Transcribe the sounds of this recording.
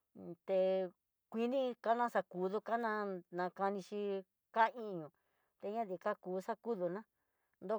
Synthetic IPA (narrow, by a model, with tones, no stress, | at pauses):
t̪e˧ | kʷi˧nĩ˦ka˦nã˦sa˧ku˨˦ðu˧ka˦nã˧nã˧ka˧nĩ˧ʃi˧ | ka˦˧ĩ˦˧ɲũ˨ | t̪e˧ɲã˦ði˧˨˧ka˦kuː˧˦sa˦ku˦ðu˧nã˦ | nd̪o˦